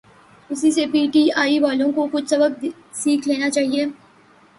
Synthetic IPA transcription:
ʊsisepiːʈiaːiʋaːlõkokʊt͡ʃʰsɐbəb̚d̪ | siːkʰleːnat͡ʃaːɦieː

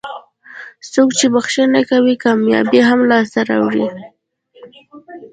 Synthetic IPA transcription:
sokt͡ʃebaxʃənakawikɑmjɑ̰biɦamlɑst̪aɾa̰wɽi

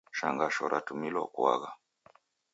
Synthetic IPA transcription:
ʃaŋɡaʃɔɾʔatumilwa̰kwa̰ɣa

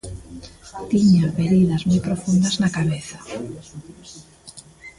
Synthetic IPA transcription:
t̪iɲaβeɾiðazmojpɾofund̪aznakaβeθḁ

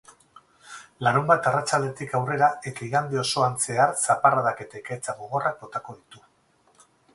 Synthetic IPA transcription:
laɾumbat̪arat͡ʃald̪e̞t̪ikawre̞ɾae̞t̪aiɣand̪eo̞so̞ant͡se̞arsaparað̞ake̞t̪aikaet͡saɣoɣ̞o̞rak̚bo̞t̪ako̞ðit̪u

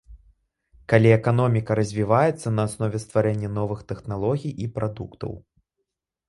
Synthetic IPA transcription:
kalʲiɛkanɔmʲikɐɾɐzʲvʲivajɛt̪sːɐnɐːsnɔvʲɛst̪vaɾɛnʲːɐnɔvɨxt̪ɛxnalˠɔɣʲijʔipɾad̪ṵkt̪ɐ̰w

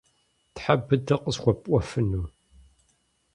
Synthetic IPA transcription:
tħabɨdɐqʼəsxʷɔpʼʷɔfɨnu

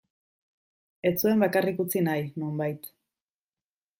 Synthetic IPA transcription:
e̞t͡sue̞mbakarikut͡sinajno̞mbajt̪

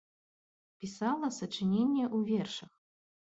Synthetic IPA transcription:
pʲisalˠɐsɐt͡ʂɨnʲenʲːɛʔuvʲɛrʂɐx

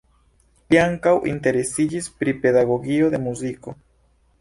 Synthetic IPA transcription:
liaŋkawʔḭnte̞ɾe̞sid͡ʒispɾipe̞daɡo̞ɡio̞d̪e̞muziko̞

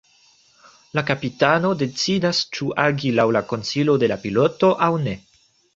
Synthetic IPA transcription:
lakapitano̞de̞t͡sidast͡ʃuʔaɡilawlako̞nsilo̞de̞lapiloto̞ʔawne̞

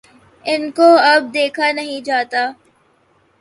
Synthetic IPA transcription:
ɪnkoɐb̚d̪eːkʰanɐɦĩd͡ʒaːt̪aː

